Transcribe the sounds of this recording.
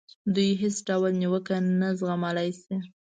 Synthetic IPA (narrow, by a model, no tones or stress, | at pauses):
d̪ujɦɪsɖawlniwəkanazɣamalajsi